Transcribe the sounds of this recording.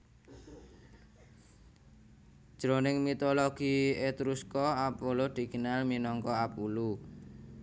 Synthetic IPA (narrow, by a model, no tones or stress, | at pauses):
d̥ʒ̥ɾonɪŋmit̪oloɡ̥iet̪ɾuskɔapolod̪̥i̤ɡ̥ənalminɔŋkɔapulu